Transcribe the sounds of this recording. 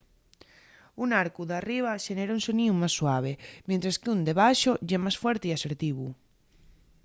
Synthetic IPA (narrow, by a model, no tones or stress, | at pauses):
unaɾkuðariβ̞aʃeneɾaunsonĩumasːwaβ̞emẽnt̪ɾeskeund̪eβaʃoʝɛmasfwɛɾt̪eiaseɾt̪iβu